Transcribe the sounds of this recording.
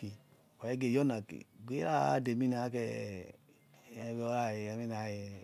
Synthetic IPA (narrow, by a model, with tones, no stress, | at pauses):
i˨ | ka˨e˦ɡe˨jɔ˦na˨kḭ˨ɡʷe˦ɾa˦de˨mi˦n˨a˨˦kɛ˧˨ | βo˦ɾa˦˨jmi˦n˨a˨˦ji˨